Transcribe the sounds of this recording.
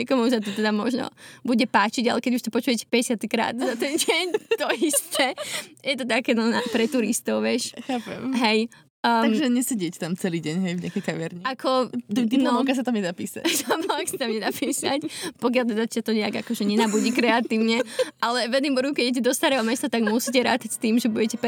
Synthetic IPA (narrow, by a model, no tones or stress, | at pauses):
ɛkɔmus̬at̪ɔt̪ɛd̪amɔʒnɔ̰buɟɛpaːt͡ʃiɟa̰lɛkɛɟuʃt̪ɔpɔt͡ʃuːjɛcɛ̥pɛɟɛsɪat̪ikɾa̰ːd̪zat̪ɛnɟɛɲt̪ɔist̪ɛjɛt̪ɔt̪akɛnɔnapɾɛt̪uɾist̪ɔʊʋɪjɛʃxaːpɛ̰mɦɛj | əaɡʒɛɲɛsɛɟɪɛct̪amt͡sɛliːɟɛɲɦɛjvɲɪakɛjkaʋɪɛɾɲiakʰɔt̪ut̪inlɔkas̬at̪amɲɛd̪apḭːsa̰amɔksḁt̪amɲɛd̪apiːsa̰cpɔk̬jalt̪ɛd̪at͡ɕat̪ɔɲɛaɡakɔʒɛɲɛnaːbuɟikɾɛat̪iːʊɲɛʔalɛʋɛd̪nimbɔɾkukɛɟɛɟɛd̪ɔst̪aɾɛːɦɔmɛst̪at̪aɡmusicɛɾa̰ːt̪acst̪iːmʒɛbuɟɛcɛp